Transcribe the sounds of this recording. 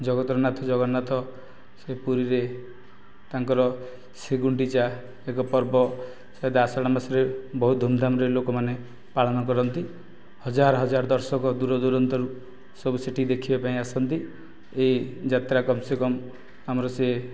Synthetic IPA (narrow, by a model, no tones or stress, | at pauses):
d͡ʒɔɡɔt̪ɾɔnat̪ʰɔd͡ʒɔɡɔnat̪ʰɔ | sepuɾiɾe | t̪aŋkɔɾɔ | seɡuɳʈit͡ʃa | ekɔpɔɾbɔ | sɔɦed̪asɔɽ̃amasɔɾebɔɦud̪ʱumd̪ʱamɾelokɔmane | paɭɔnɔkɔɾɔnt̪i | hɔd͡ʒaɾɔɦɔd͡ʒaɾd̪ɔɾsɔkɔd̪uɾɔd̪uɾɔnt̪ɔɾu | sɔbuseʈʰid̪ekʰibapaĩasɔnt̪i | eid͡ʒat̪ɾakɔmsekɔm | amɔɾɔse